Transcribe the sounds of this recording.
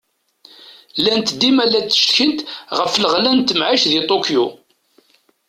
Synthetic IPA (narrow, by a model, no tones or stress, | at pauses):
lænt̪d̪ːimælːæt͡sːə̥ʃçənt̪ʁəfləʁlænt̪əmʕaʃðit̪ˤokju